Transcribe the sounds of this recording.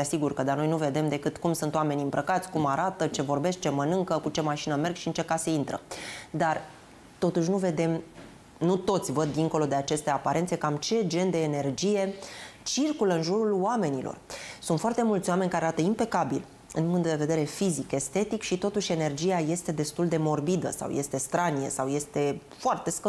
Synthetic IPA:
t̪easiɡurkəd̪ano̞jnuve̞d̪e̞md̪e̞kɨt̪kumsunt̪oame̞niɨmbɾəkat̪sʲkumaɾat̪ət͡ʃe̞vo̞rbe̞sk̚t͡ʃe̞mənɨŋkəkut͡ʃe̞maʃinəme̞rɡʃiɨnt͡ʃe̞kaseint̪ɾə̰d̪ar | t̪o̞t̪uʃ̬ʲnuve̞d̪e̞m | nut̪o̞t̪sʲvəd̪ːiŋko̞lo̞d̪e̞at͡ʃe̞st̪e̞apaɾe̞nt̪sekamt͡ʃe̞d͡ʒe̞nd̪e̞ːne̞rd͡ʒije̞t͡ʃirkuləɨnʒuɾuloame̞nilo̰rsunt̪foart̪e̞mult̪sʲwame̞nʲkaɾeaɾat̪əimpe̞kabil | ɨnuŋt̪d̪e̞ve̞d̪e̞ɾe̞fizike̞st̪e̞t̪ikʃit̪o̞t̪uʃʲe̞ne̞rd͡ʒijaje̞st̪e̞d̪e̞st̪uld̪e̞mo̞rbid̪ə̰sa̰wje̞̰st̪e̞st̪ɾanijə̰sawje̞st̪e̞foart̪e̞skə

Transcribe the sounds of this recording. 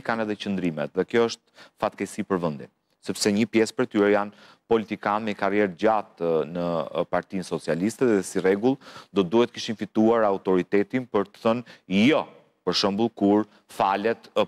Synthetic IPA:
ikanɛðɛt͡ʃənd̪ɾimɛt̪ðɛkjɔəʃt̪̚fat̪̚kɛsipəɾvənd̪in | sɛpsɛɲəpjɛspəɾt̪yɾɛjan | pɔlit̪ikanmɛkarjɛɾd͡ʑat̪nəpaɾt̪insɔt͡sialist̪ɛðɛsirɛɡulˠd̪ɔt̪̚d̪uhɛt̪ə̥kiʃinfit̪uaɾaut̪ɔɾit̪ɛt̪inpəɾt̪ə̥θənjɔ | pəɾʃəmbulˠkuɾ | falɛt̪

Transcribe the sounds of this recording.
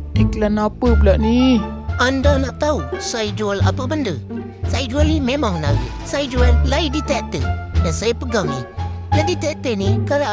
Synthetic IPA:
dikəlanapəblaʔni | andɔnaʔt̪ausajid͡ʒuala̰pəbəndə | said͡ʒualimemaŋnawḭsaid͡ʒualːaidit̪ɛʔ̚t̪ə̰dansajipəɡaŋni | ladit̪ɛʔ̚t̪ənikaɾa

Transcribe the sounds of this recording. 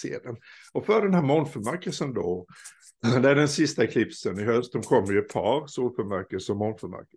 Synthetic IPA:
sḛːd̪ən | ɔfœɖɛnhæːɾmɔnfœɾmæɾkəlsənd̪ɔ | d̪ɛæɖɛnsɪst̪akʰlɪpsənɪɦœst̪̚d̪ɔmkʰɔmːəɾjɵɛt̪̚pʰɑːɾsuːlfœɾmæɾkəsɔmːɔnfœɾmæ̰ɾk

